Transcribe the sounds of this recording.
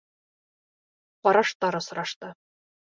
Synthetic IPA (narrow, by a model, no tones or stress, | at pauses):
qɒɾɑʃt̪ɑɾɤ̆sŏɾɑʃt̪ɤ